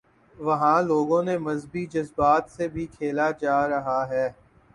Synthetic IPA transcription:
ʋɐɦãloːɡõnemɐzbid͡ʒɐzbaːt̪sebʱikʰeːlad͡ʒaːɾɐɦaɦɛː

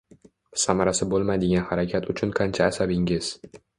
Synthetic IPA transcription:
samaɾasɪbolˠmad̪ɪɡʲanhaɾakʲʰat̪ʰʊt͡ʃʰʊnqʰant͡ʃʰaːsabɪŋɪz̥

